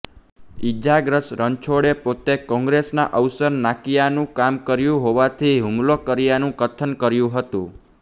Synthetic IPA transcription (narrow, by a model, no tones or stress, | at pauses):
id͡ʒaɡɾəsɾənt͡ʃʰoɽepot̪ekɔ̃ŋɡɾesna̰ʔəwsəɾnakijanũkamkəɾjũɦoʋat̪ʰiɦumlokəɾijanũkət̪ʰənkəɾjũɦət̪ũ